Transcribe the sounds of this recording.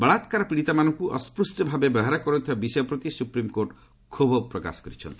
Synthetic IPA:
bɐɭat̪kaɾɔpiɽit̪amanɔŋkuʔɔ̰spɾusʈɔbʱabebɔɦaɾakɔɾɔnt̪ʰibabisɔjɔpɾɔt̪isupɾimkoɾʈ | kʰubʱɔpɾɔka̰sɔ̥kɔɾit͡ʃʰɔ̰nt̪i

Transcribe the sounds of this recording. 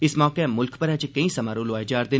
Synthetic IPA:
ɪsmɔːkemʊlkʰpɐɾɦɛ̃t͡ʃekɐĩsɐmaːɾũloajd͡ʒaːɾd̪ɪ

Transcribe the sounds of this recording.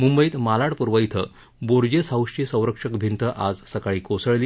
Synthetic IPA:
mumbəiːt̪malaɽpuɾʋəjt̪ʰə | boɾd͡ʑesəwʂʈisə̃w̃ɾəkʂəkbʱint̪əʔad͡zsəkaɭiːkosəɭliː

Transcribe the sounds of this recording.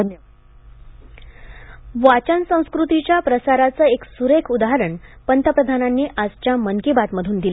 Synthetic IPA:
ʋat͡ɕənsə̃w̃skɾut̪it͡ɕjapɾəsaɾat͡səːeksuɾekʰud̪aɦəɾəɳpənt̪ʰəpɾəd̪ʱananːiːʔad͡zt͡ɕjaməŋkibat̪məd̪ʱuːnd̪il

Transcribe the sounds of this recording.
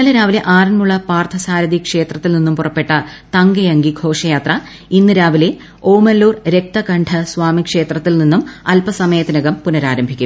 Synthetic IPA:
nɐlɐɾaːʋileʔaːrɐnmuɭːɐpaːrt̪ʰɐsaːɾɐd̪ikʂe̞ːt̪rɐt̪ːilninːumpurɐpːe̞ʈːɐt̪ɐŋɡɐjɐŋɡiɡʱo̞ːʂɐjaːt̪rɐ | inːɨɾaːʋile̞ | o̞ːmɐlːuːrɾe̞k̚t̪ɐkɐɳɖʰʱɐsʋaːmikʂe̞ːt̪rɐt̪ːilninːumɐlpɐsɐmɐjɐt̪ːinɐɣɐmpunɐɾaːɾɐmbʱikʲːu

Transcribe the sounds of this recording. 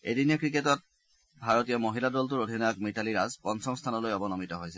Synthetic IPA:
ḛdiniɔkɹiketɔt̚ | bʱaɹotijɔmoɦiladɔltuɹodʱinɔjakmitaliɹazpɔnsɔŋstʰanɔlojɔbɔnɔmitɔɦojsɛ

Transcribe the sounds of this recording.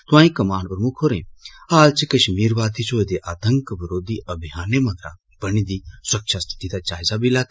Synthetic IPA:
t̪ʋãːĩkɐmaːɳpɾmukʰɦoːɾḛ̃ːaːlt͡ʃikɐʃmiːɾʋaːt̪ʰit͡ʃʰoːd̪eʔaːt̪əŋkbɐɾoːd̪iːʔɐbʱjaːnemɐɡɾa̰ː | bɐnid̪iːsɐkʃʰast̪ʰi̥t̪it̪aːt͡ʃaːjzabilaːt̪

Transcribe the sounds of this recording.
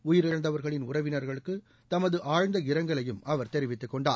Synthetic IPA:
ʊjɪɾɪɾɐnd̪ɐʋɐɾɣɐɭɪnʊrɐʋɪnɐɾɣɐɭɯkːɯ | t̪ɐmɐðɯʔaːɻnd̪ɐɪɾɐŋɡɐɭɐjɯmɐʋɐɾt̪ɛɾɪʋɪt̪ːɯkːɔɳɖaː

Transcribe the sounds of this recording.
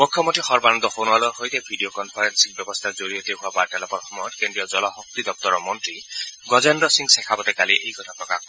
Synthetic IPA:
mukʰjɔmontʰixɔɹbanɔnd̪ɔxonalɔhojtɛbʱiɖijokɔnpʰaɾensik̚bjɔbɔst̪ʰazoɾijɔt̪eɦuapaɹtɛlɔpɔtxɔmɔjɔt̪̚kendɹijɔd͡zɔlɔɦɔk̚t̪id̪ɔp̚t̪ɔɾɔmɔntɹiɡɔzendɔsiŋɡsɛkʰabɔt̪ɛkaliʔejkɔt̪ʰapɹɔkak̚

